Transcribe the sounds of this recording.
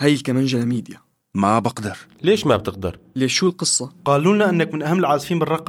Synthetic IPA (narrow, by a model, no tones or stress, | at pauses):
hajɪlkamanʒalamiːd̪ja | mabɑqd̪ɪɾleːʃmab̚t̪əq̚d̪ɑ̰ɾˤleːʃːuːlqɨsˤːɑqɑːluːnaʔɪnːakmɪnʔahamːɪlʕɑːt̪ˤfiːmbərˤɑqː